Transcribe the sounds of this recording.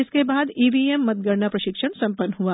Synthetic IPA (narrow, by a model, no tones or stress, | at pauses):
ɪskebaːd̪iːbiːemːɐt̪̚ɡəɾnapɾɐʃɪkʃəɳsɐ̃mpənːɦua